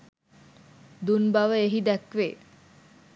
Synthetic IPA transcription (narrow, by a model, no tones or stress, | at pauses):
d̪unbaʋəeɦid̪ækʋe